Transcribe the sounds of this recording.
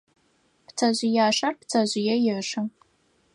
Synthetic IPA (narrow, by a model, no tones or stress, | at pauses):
pt͡sʰɐʑɪjaːʂɐrpt͡sʰɐʑʷɪjɛjɪʂɐ